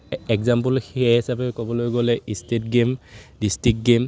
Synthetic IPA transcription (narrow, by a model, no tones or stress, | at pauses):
ɛkzampɔlxeisapɛkɔbɔlojɡolɛistet̚ɡemdistɹik̚ɡem